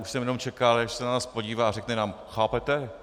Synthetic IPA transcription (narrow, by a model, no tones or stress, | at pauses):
uʃsɛmjɛnomt͡ʃɛkalɪaʃsɛnanaːspoɟiːvaːrɛknɛnaːmxaːpɛt̪ɛ